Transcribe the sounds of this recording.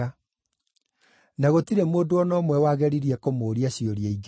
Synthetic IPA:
a | naɣotiɾemoːndoɔnɔːmwɛwaːɣɛɾiɾiɛkomoːɾiaɕioɾiaiɡ

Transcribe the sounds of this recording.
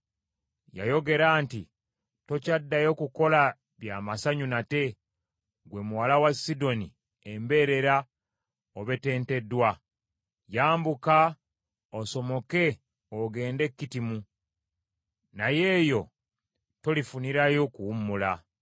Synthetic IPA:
ja̰jo̞ɡe̞ɾaːnti | to̞cadːajo̞kuko̞la | βjaːmasaɲunate̞ | ɡwe̞muwalawasido̞ni | embe̞ɾe̞ɾa | oβe̞te̞ːnte̞dːwa | jaːmbuka | oso̞mo̞ke̞ | oɡe̞ːnde̞kːitimu | naje̞ːjo̞ | to̞lifuniɾajo̞kuumula

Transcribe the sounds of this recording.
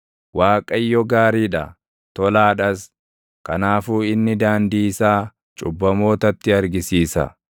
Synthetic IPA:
waːkʼɐjːɔɡaːɾiːᶑɐ | t̪ɔlaːᶑɐs | kɐnaːfuːɪnːɪd̪aːnd̪iːsaː | t͡ʃʼʊbːɐmo̞ːt̪ɐt̪ːɪɐɾɡɪsiːsɐ̰

